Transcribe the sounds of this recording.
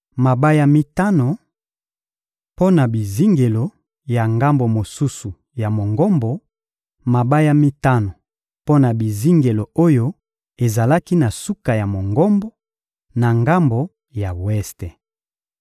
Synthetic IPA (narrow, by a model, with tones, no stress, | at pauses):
ma˨ba˦ja˨mi˦ta˦no˨ | po˦na˨bi˨zi˦ŋɡe˨lo˨ | ja˨ŋɡa˦mbo˨mo˨su˦su˨ | ja˨mo˨ŋɡɔ˦mbo˨ | ma˨ba˦ja˨mi˦ta˦no˨ | po˦na˨bi˨zi˦ŋɡe˨lo˨o˦jo˦ | e˨za˨la˦ki˦na˨su˦ka˨ja˨mo˨ŋɡɔ˦mbo˦ | na˨ŋɡa˦mbo˨ | ja˨wɛ˦ste˨